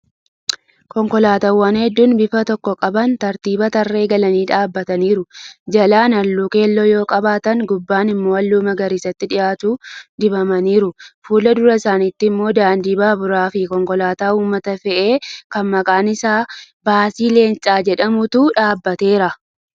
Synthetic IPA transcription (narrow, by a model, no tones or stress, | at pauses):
kɔŋkɔlaːt̪ɐwːaːnhɛd̪ːuːnbɪfɐt̪ɔkːɔkʼɐbɐnt̪ɐɾt̪iːbɐt̪ɐrːe̞ːɡɐlɐniːᶑaːbːɐt̪ɐniːɾʊd͡ʒɐlaːnɐlːuːke̞ːlːojo̞ːkʼɐbaːt̪ɐŋɡʊbːaːnɪmːo̞ːɐlːuːmɐɡɐɾɪsɐt̪ːɪᶑɪjaːt̪uːd̪ɪbɐmɐniːɾʊfuːlɐd̪ʊɾɐɪsaːniːt̪ːɪɪmːo̞ːd̪aːnd̪iːbaːbʊɾaːfɪkɔŋkɔlaːt̪aːuːmːɐt̪ɐfɛʔe̞ːkɐnmɐkʼaːnɪsaː | baːsiːle̞ːnt͡ʃʼaːd͡ʒɛᶑɐmʊt̪uᶑaːbːɐt̪e̞ːɾɐ